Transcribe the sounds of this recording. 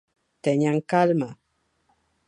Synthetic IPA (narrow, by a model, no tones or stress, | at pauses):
tɛɲaŋ̩kalma